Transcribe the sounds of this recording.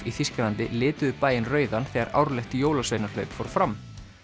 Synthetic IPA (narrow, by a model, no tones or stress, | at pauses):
iθiscɪlant̪ɪ̰lɪːt̪ʏðʏpaːjɪnrœːɥðanθɛɣaɾa̰wɾlɛxt̪joːwlasvejnaɾlœɥpfoːɾ̥fɾam